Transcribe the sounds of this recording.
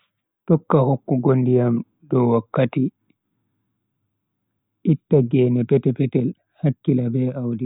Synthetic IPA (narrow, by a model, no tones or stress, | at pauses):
tɔkːahokːuɡondijam | dɔwakːati | ʔitːaɡɛːnɛpɛtɛpɛtɛl | hakːilabɛawdi